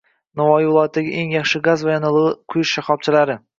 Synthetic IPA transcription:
nɒvɒjɪvɪlˠɒjat̪ʰːd̪aɡʲɪʔeŋjɑχʃɪɡazvajɒnɨlˠʁɨqʰʊjʊʃʃaχɒb̚t͡ʃʰɪlaɾɪ

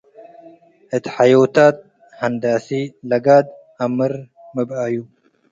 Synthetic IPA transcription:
ʔɨt̪ʰħajowt̪aːt̪̚ | hɐnd̪aːsilɐɡaːd̪̚ | ɐmɨɾ | mɨbaju

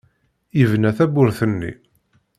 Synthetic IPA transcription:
ivnæθæbʊɾθənːḭ

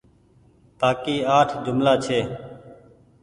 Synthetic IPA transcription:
paːkiːaːʈʰd͡ʒʊmlaːt͡ʃʰeː

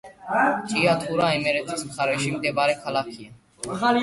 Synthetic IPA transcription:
t͡ʃʰiːjaːt̪ʰuɾaːimeɾet̪ʰiskʰaɾeːʃiːmd̪eːbaːɾeːkʰalaːkʰija

